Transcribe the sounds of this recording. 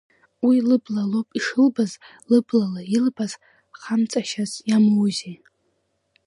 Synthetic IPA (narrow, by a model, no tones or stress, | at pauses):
wilɨblalopʼiʂɨlbaz | lɨblalailbaz | χamt͡sʼaʃazjamowze